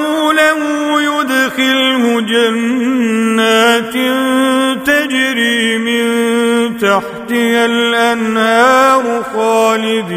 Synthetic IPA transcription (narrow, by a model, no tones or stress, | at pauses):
uːlahuːjʊd̪xɪlhʊd͡ʒanː | aːt̪ɪnt̪ad͡ʒɾiːmɪnt̪aħt̪ɪjalʔanhaːɾʊxaːlɪd̪